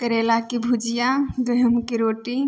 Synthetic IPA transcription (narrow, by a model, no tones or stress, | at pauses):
kəɾelakibʱud͡ʒijaɡəɦəmkiɾoːʈi